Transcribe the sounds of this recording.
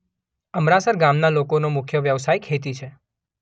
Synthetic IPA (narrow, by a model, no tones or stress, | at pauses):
əmɾasəɾɡamnalokonomʊkʰjəʋjəʋsajkʰet̪it͡ʃʰe